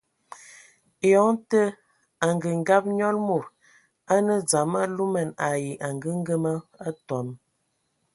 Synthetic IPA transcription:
jɔ˨˦ŋtə˦ | a˨ŋɡə˨ŋ˦ɡa˦p̚ɲɔ˦lmu˨ɾ | a˦nə˦d͡za˨ma˦lu˦mə˨na˨ji˨ʔa˨ŋɡə˦ŋ˦ɡə˦mə˦a˦tɔ˨˦m˦

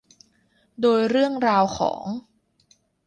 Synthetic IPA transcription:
doː˧jɾɯ˥˩əŋɾaː˧wxʰɔ̰ː˩˦ŋ

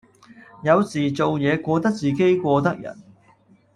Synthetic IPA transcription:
jɐ˨˧wsiː˨˩t͡so˨wjɛː˨˧kʷɔː˧t̪ɐ˥k̚t͡siː˨˩ke˥jkʷɔː˧t̪ɐ˥k̚jɐ̰˨˩n

